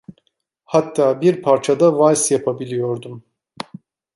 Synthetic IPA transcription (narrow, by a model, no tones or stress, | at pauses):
hat̪ʰːaːbiɾpʰaɾt͡ʃʰad̪avajsjapʰabilʲijo̞ɾd̪um